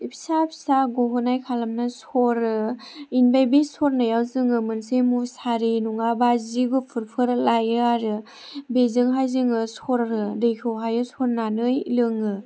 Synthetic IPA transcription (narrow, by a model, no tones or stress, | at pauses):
ipʰsapʰsaɡoɦɯnajkʰalamnasɔɾɯ | inbajbisɔɾnajawzɯŋɯmɯnsemusaɾinuŋabaziɡupʰɯɾpʰɯɾlajɯaɾɯ | bezɯŋɦajzɯŋɯsɔɾɾɯdɯjkʰɯwɦajɯsɔɾnanɯjlɯŋɯ